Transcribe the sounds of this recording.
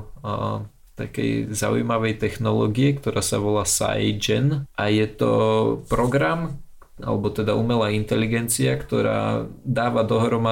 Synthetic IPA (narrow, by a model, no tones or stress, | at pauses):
t̪akɛ̰jza̰ṵjmaʋɛjt̪ɛxnɔlɔ̰ːɡiɛkt̪ɔɾaːsa̰ʋɔlaːsa̰jd͡ʒɛnʔajɛt̪ɔ̰pɾɔɡɾam | a̰lɛbɔt̪ɛd̪aumɛlaːint̪ɛliɡɛnt͡siakt̪ɔɾa̰ːd̪aːʋad̪ɔɦɾɔma